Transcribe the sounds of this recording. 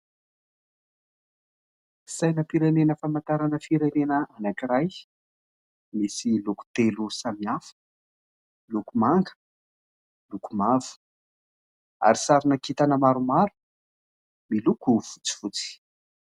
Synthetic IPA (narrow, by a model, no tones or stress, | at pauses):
sajnəpiɾenenəfamant̪aɾanəfiɾenenəanakiɾaj | misiluku̥t̪elusamiafə̥ | lukumaŋɡə̥ | lukumavu̥ | a̰ɾisaɾinəkit̪anəmaɾumaɾu̥ | milukuv̥ut͡si̥vut͡si̥